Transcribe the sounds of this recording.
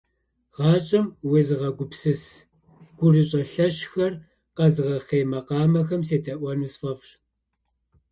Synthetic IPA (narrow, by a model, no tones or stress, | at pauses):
ʁɑːt͡ʃʼɐmwezɨʁɐɡʷʊpsɨs | ɡ̥ʷʊrɨɕʼɐɬɐɕxɐr | qɐzɨʁɐχeːmɐqɑːmɐxɐmseːtʰɐʔʷɐnusfɐfɕ